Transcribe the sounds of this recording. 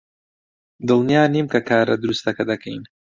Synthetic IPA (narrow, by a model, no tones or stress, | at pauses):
d̪ɨlˠnijaːnimkɐkʰaːɾɐd̪ɨɾust̪ɐkɐd̪ɐkʰɐjn